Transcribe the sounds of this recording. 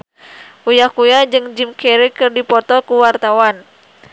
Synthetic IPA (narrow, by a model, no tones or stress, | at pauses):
ujakujad͡ʒɨŋd͡ʒimkɛɾikɨrdipɔt̪ɔkuwart̪awan